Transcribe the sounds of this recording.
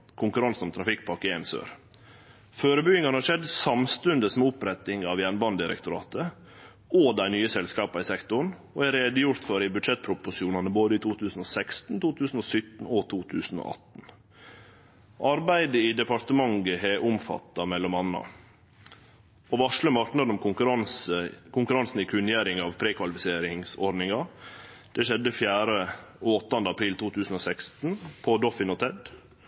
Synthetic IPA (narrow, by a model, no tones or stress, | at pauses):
kʰʊŋkʉɾɑnsnɔmt̪ʰɾɑfɪkːpʰɑkɪensø̰ːɾ | føːɾəbʏɡɪŋɑnhɑʂɛd̪sɑmst̪ʉnd̪əsmɛʊpɾɛt̪ːɪŋɑʋjænbɑnd̪ɪɾə̰kt̪ʊɾɑ̰ːt̪ə | od̪æɪnyːəsɛlskɑːpɑɪsɛkt̪ʊɳoæɾeːd̪əjʊɾt̪føːɾɪbʉd̪ʂɛt̪̚pʰɾʊpʊʂɪuːnɑnəboːd̪əiːt̪ʰuːt̪ʰʉːsn̩osɛkst̪n̩t̪uːt̪ʰʉːsn̩oːsʏt̪n̩oːt̪ʰuːt̪ʰʉːsn̩o̰ːʔɑ̰t̪n̩ | ʔɑɾbæɪd̪əiːd̪ɛpɑɾt̪əmɑŋɡəɦɛʔʊmfɑ̰t̪ːɑmɛlːɔmɑnːɑ̰ | oːʋɑʂɭəmɑɾknɑd̪əɔmʊɾɑsəkʰʊŋkʉɾɑnsn̩ikʰʉnjæːɾɪŋɑʋpʰɾeːkʰʋɑlɪfɪseːɾɪŋsɔɾɖnɪŋɑ | d̪̥ɛʃɛd̪ːəfjæːɾəoɔt̪ːɑnd̪əɑpʰɾiːlt̪ʰuːt̪ʰʉːsn̩oːsækst̪n̩pʰɔd̪ɔfɪnoːt̪ʰɛd̪